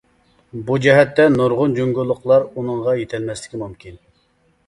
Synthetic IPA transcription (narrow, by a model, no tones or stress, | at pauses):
bud͡ʒɛɦɛt̪ːɛnuɾʁʊnd͡ʒoŋɡʲulˠːʊqlˠɑɾunɨŋʁɑjet̪ʰɪlmɛslɪ̥kʲimumkʲin